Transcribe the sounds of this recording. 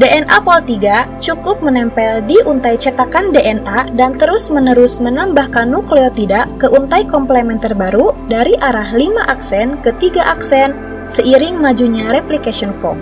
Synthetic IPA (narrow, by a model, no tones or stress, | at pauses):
deʔɛnʔapɔlt̪iɡat͡ʃukʊp̚mənɛmpɛldiʔunt̪ajt͡ʃət̪akandeʔɛnʔadant̪əɾʊsmənəɾʊsmənambahkanːukleot̪idaʔkəʔunt̪ajkɔmplɛmɛnt̪ərbaɾudaɾiʔaɾahlimaʔaksɛnkət̪iɡaʔaksɛn | səʔiɾɪŋmad͡ʒuɲaɾɛplikasiɔnfɔ̰m